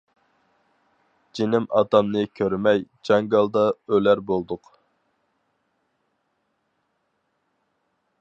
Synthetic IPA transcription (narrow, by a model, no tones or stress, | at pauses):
d͡ʒinɪmɑ̰t̪ɑmnɨkʲʰøɾmɛjd͡ʒɑŋɡɑlˠd̪ɑølæɾbolˠd̪ʊq